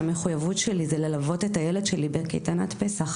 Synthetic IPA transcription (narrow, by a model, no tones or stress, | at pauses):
ame̞χujavutʃelizelelavo̞te̞tajeled̪ʃelibekḛjt̪anatpe̞saχ